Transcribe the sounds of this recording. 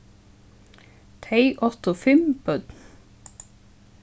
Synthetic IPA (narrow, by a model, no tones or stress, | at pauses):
t̪ʰeɪʔɔt̪ofɪmb̥œd̪n